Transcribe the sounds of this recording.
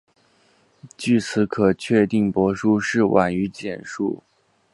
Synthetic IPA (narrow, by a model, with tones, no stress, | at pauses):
t͡ɕy˥˩t͡sʰɹ̩˧˥kʰɤ˨˩t͡ɕʰɥɛ˥˧t̪i˥˩ŋpwɔ˧˥ʂu˥ʂɻ̩˥˩wʔa̰˨˩ny˧˥t͡ɕjɛ˨˩nʂṵ˥˩